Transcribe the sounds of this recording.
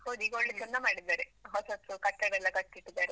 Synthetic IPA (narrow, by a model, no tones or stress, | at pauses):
hoːɡ̪iːɡoɭːit͡ʃɔnːamaːɽid̪ːaːɾeɦɔsɐsukɐʈːɐɽɛlːɐkɐʈːiʈːid̪aːɾe